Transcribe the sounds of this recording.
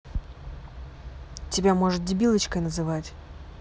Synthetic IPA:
tʲɪbʲamo̞ʐɨt̪̚dʲɪbʲilˠət͡ɕkəjnəzɨvatʲ

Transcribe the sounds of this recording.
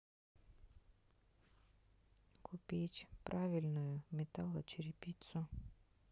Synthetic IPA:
kʰʊpʲitʲpɾavʲɪlʲnʊjʊmʲɛt̪alˠɐt͡ʃɪɾʲɪpʲit̪sʊ

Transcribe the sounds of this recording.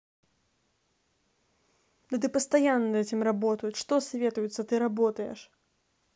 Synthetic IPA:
d̪̥ɐt̪̬ɨpɐst̪ajanːɐnd̪ɛtʲimrabɔt̪ɐjuʂt̪ɔsʲvʲɛt̪ujut̪sːɐt̪ɨɾabɔt̪ɐjɛ̰ʂ

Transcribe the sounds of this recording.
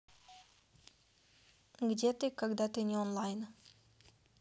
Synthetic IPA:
ɡdʲet̪ɨkaɡd̪at̪ɨnʲɪonlˠajn

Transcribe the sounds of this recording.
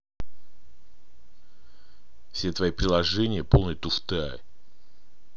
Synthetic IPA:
fsʲet̪vɐjipɾʲɪlˠɐʐɛnʲɪjəpolˠnəjət̪ʊft̪ɨa̰

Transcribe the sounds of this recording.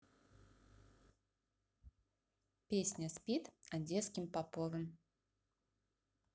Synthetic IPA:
pʲesʲnʲɐsʲpʲit̪ad͡zʲɛt̪skʲimpapɔvɨm

